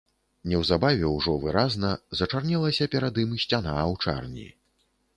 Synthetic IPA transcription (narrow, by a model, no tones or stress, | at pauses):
nʲɛwzabavʲɛwʐɔvɨɾaznɐzɐt͡ʂarnʲɛlˠɐsʲɐpʲɛɾad̪imɨsʲt͡sʲanawt͡ʂa̰rnʲḭ